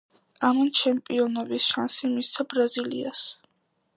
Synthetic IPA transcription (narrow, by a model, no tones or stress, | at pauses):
amant͡ʃʰɛmpʼiɔnɔvisʃansimist̪sʰabɾazilḭas